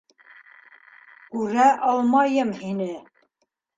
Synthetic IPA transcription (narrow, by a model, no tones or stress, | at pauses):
kʉɾæʔɑlˠmɑjɤmhinɘ